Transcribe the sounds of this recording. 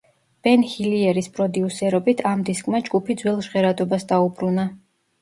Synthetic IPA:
b̥ɛnhiliɛɾispʼɾɔd̪iusɛɾɔbit̪ʰamd̪iskʼmad͡ʒɡupʰid̪zwɛlˠʒʁɛɾad̪ɔbasd̪aubɾuna

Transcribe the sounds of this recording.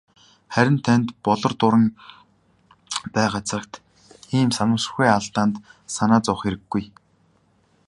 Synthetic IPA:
χæɾʲɪ̆nt̪ʰænt̪pɔɮɞ̆rt̪ʊɾə̆ŋ | pæːɢat͡sə̆kt̪ | iːmsamʊːs̆xeːaɮt̪aːnt̪sanaːt͡sʊχeɾɘ̆ɡːuj

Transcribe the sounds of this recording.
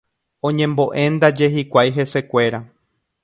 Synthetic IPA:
õ̞ɲẽmbo̞ʔẽ̞nd̪ad͡ʒe̞ɦikʷajɦe̞se̞kʷe̞ɾa

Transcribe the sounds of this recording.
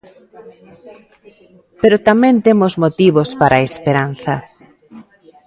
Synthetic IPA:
peɾot̪amẽnt̪emozmot̪iβ̞ospaɾʔaespeɾanθɐ

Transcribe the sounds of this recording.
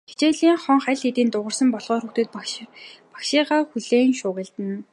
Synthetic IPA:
xet͡ɕeːɮiːŋχɔɴχæɮxet̪iːnt̪ʊʁə̆rsə̆mpɔɮʁɔːrxut̪ĕːt̪̚p | pḁkʃiːʁaːxuɮeːnʃʊːɣə̆ɮt̪ɘ̆n

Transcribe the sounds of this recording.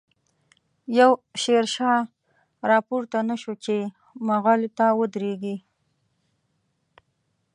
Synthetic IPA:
jawʃeɾʃɑ | ɾɑpoɾt̪anaʃot͡ʃe | maɣɑlot̪awəd̪ɾeɡi

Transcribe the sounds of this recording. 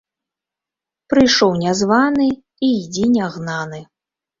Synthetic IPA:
pɾɨjʂɔwnʲazvanɨ | id͡zʲinʲaɣnanɨ

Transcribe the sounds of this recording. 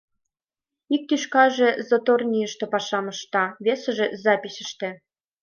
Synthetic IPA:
ik̚t̪yʃkɑʒĕzot̪ornʲijəʃt̪ĕpɑʃɑmɤ̆ʃt̪ɑβʲesə̆ʒĕzɑpʲisʲə̆ʃt̪ĕ

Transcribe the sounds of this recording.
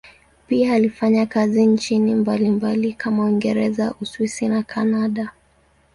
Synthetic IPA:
piaːlifaɲakazint͡ʃinimbalimbalikʰamawiŋɡɛɾɛzaʔuswisinakʰanaɗa

